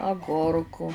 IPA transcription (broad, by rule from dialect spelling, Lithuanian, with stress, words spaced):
ɐˈɡʊrkʊ